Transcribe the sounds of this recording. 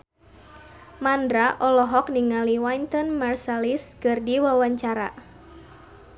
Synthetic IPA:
mandɾaʔɔlɔɦɔk̚niŋaliwaint̪ɔnmarsaliskɨrdiwawaɲt͡ʃaɾa̰

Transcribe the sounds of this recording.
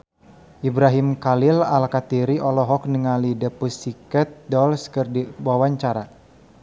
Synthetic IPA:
ʔibɾaɦimkalɪlalkat̪iɾiʔɔlɔɦɔk̚nəŋalidəpusikət̪̚dɔlskərdiwawaɲt͡ʃaɾa

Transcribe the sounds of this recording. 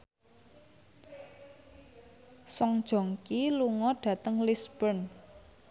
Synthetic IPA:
sɔŋd̥ʒ̥ɔ̤ŋkiluŋɔɖ̥ä̤t̪əŋlisb̥ən

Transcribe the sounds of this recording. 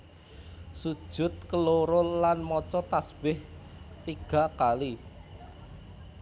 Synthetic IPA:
sud̥ʒ̥ʊ̤t̪̚kəloɾʊlanmɔt͡ʃɔt̪asb̥ɪh | t̪iɡ̥a̤kali

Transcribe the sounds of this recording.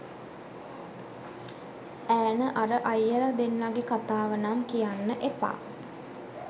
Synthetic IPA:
æːnəʔaɾəʔajːəlad̪enːaɡekat̪aːʋənamkijanːəʔepa̰ː

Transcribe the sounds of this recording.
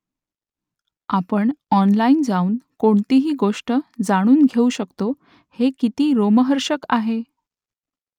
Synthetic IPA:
apəɳɔnlaiːnd͡zauːnkoɳt̪iɦiːɡoʂʈəd͡zaɽ̃uːnɡʱeuɕəkt̪o | hekit̪iːɾoməɦəɾɕəkaɦe

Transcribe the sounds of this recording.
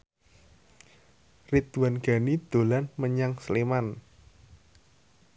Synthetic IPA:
rit̪uwanɡ̥a̤nid̪̥o̤lanməɲaŋsliman

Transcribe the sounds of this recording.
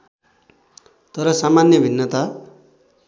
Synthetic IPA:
t̪ʌɾʌsamanjʌbʱinːʌt̪a

